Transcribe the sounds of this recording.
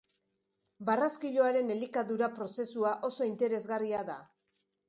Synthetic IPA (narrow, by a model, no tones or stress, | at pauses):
baraskiʎoaɾe̞ne̞likaðuɾapɾo̞se̞suaʔo̞so̞int̪e̞ɾe̞zɣariaða